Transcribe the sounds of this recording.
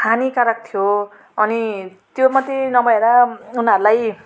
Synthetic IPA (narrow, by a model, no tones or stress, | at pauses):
kʰanikaɾak̚t̪ʰijo | ʌnit̪jomʌt̪ːenʌbʌeɾaunɦʌɾulaj